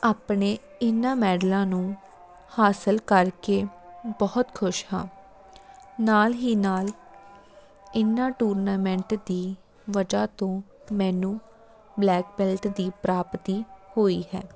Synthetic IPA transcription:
aːpɳeː | ɪnãːmɛːɖlãːnũː | haːsəlkəɾkeːbɔːt̪kʰʊʃhã̰ː | naːlɦiːnaːl | ɪnːãːʈuːɾnaːmɛ̃ɳʈd̪iː | ʋəd͡ʒaːt̪õː | mɛːnũː | blɛːk̚bɛlʈd̪iːpɾaːpt̪iːhoːiːhɛ̰ː

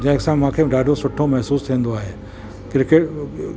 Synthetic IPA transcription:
d͡ʑɐ̃ɪksãmãːkʰeːɖaːɖʱosʊʈʰːomɛɦsuːst̪ʰĩə̃nd̪oaːɦeː | kɪɾɪkeːʈ

